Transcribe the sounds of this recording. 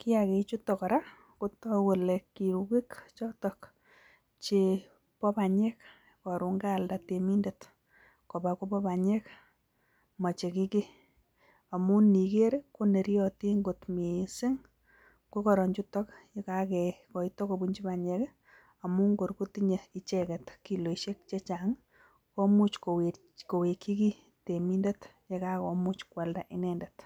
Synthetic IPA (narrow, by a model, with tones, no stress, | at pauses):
kɪ˦ake˨t͡ʃu˦tɔka˨ɾa˦ | ku˦tɔ˦we˨lekːi˨ɾuki˦kt͡ʃɔ˦tɔk | t͡ʃe | pɔ˦paɲɛ˦k | kɔ˨ɾu˨ŋɡa˦lda˨temi˦ndet | ko˨bako˦pɔpa˨ɲɛ˦k | ma˨t͡ʃe˨ki˦ki˦ | a˨mu˦ni˨ke˦ɾko˦ne˨ɾi˦jɔti˦ŋɡo˨tmi˨sɪ˦ŋ | ku˦kɔ˨ɾɔ˨ɲd͡ʒu˦tɔ˦kje˦kakɛ˨kɔ˨itɔ˦ko˨bu˦ɲd͡ʒi˦ba˨ɲɛ˦k | a˨mu˦ŋɡo˨ɾku˦ti˦ɲe˨i˦t͡ʃɛ˨kɛ˨tki˨lo˨ʃe˦k̚t͡ʃe˦t͡ʃaŋ | ko˦mu˦t͡ʃko˨we | ko˨we˨kːi˦ki˦ | te˨mi˦nde˦tje˨kakɔ˨mu˦t͡ʃkwa˨lda˨ʔɪ˦nɛndɛt